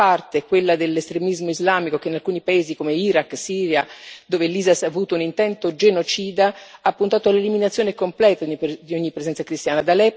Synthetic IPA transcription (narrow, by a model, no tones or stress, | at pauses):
art̪ekwelːad̪elːest̪ɾemizmoizlaːmikokeinalkuːnipaeːzikomeiɾakːsiːɾjad̪oːveliːzasavuːt̪ounint̪ɛnt̪od͡ʒenot͡ʃiːd̪aapːunt̪aːt̪oalːeliminat̪sːjoːnekomplɛːt̪ad̪ioɲːipːɾezɛnt̪sakɾist̪jaːnad̪alɛ